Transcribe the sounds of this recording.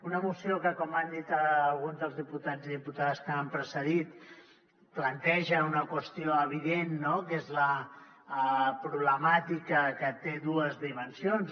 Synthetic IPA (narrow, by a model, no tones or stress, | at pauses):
unəmusiokəkɔmand̪it̪əlˠɣunzðəlˠzðiput̪ad͡ziðiput̪aðskəampɾəsəðit̪ | plənt̪ɛʒəunəkwəst̪ioəβ̞iðenːokezlə | pɾuβləmat̪ikəkət̪eðuəzðimənsjonz